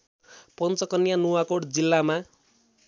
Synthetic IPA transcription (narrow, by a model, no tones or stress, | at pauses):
pʌnt͡sʌkʌnjanuwakoɽd͡zilːama